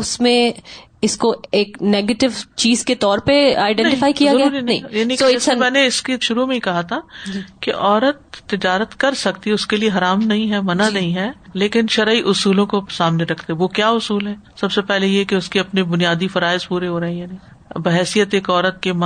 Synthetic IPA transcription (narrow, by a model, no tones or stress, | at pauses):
ʊsmẽ | ɪskoeːkneːɡeːʈɪʋt͡ʃiːzket̪ɔːɾpeaːɪɖɛ̃nʈɪ̃faːikijaɡɾɐjauaːɾinɐ̃jaːnĩkomɛ̃ːneɪskeʃʊɾumẽĩkɐɦat̪ʰad͡ʒkeʔɔːɾət̪ːɪd͡ʒaːɾət̪kɐɾsɐkt̪iɛʊskelieɦɐɾaːmnɐɦĩɦɛmɐnanɐɦĩɦɛːleːkɪnʃɐɾaːiʔʊsuːlõkosaːmneɾɐkʰt̪eɦɛʋokjaːʊsuːlɦɛːsɐbsepɛɦlejekeʊskeɐpnebʊnijaːd̪ifɐɾaːɪzpuːɾeɦoːɾɐɦẽjaːnɐɦĩ | bɐɦɛːsijət̪eːkɔːɾət̪̚kem